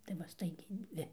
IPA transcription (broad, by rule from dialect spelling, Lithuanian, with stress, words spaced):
tɐɪ ˈʋɐ ˈstɐɪɡʲɛɪ ˈdʲʋʲɪ